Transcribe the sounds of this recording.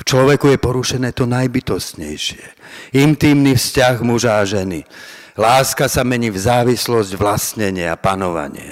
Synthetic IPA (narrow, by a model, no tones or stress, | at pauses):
ft͡ʃlɔʋɛkujɛpɔɾuʃɛnɛːt̪ɔnajbit̪ɔst̪ɲɛjʃɪɛint̪iːmnifscaɣmuʒaːʒɛni | laːskasamɛɲiːvzaːʋislɔzɟʋlast̪ɲɛɲɪɛa̰panɔʋa̰ɲɪɛ̰